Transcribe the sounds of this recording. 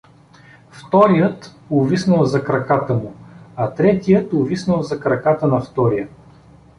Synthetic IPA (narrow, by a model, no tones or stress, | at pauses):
ft̪ɔɾijət̪ | ʊvisnəlˠzɐkɾɐkat̪əmʊɐt̪ɾɛt̪ijət̪ʊvisnəlˠzɐkɾɐkat̪ənɐft̪ɔɾijə